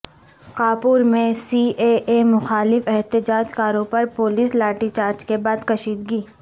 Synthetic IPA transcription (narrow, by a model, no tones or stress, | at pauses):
kaːpuːɾmẽsiːeːʔeːmʊxaːlɪfɛɦt̪ɪd͡ʒaːd͡ʒkaːɾõpɐɾpoːliːslaːʈit͡ʃaːɾd͡ʒkebaːd̪kɐʃiːd̪ɡiː